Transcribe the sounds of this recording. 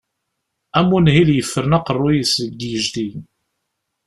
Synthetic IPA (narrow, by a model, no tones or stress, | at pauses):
æmːunhiljəfːəɾnɑqərˤːʊjəsəɡ̪jəʒd̪i